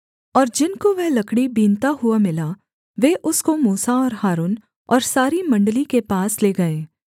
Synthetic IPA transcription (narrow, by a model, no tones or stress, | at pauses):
ɔːɾd͡ʒɪnkoʋeɦlɐkɽibiːnt̪aɦʊamɪla | ʋeʔʊskomuːsaɔːɾɦaːɾuːn | ɔːɾsaːɾimɐ̃ɳɖəlikepaːsleːɡɐeː